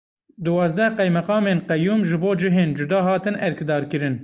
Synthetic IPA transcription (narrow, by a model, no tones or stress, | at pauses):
d̪uwɑːzd̪ɛqɛjmɛqɑːmeːnqɛjuːmʒɨboːd͡ʒɨɦeːnd͡ʒud̪ɑːɦɑːt̪ɨnʔɛɾkd̪ɑːɾkɨɾɨn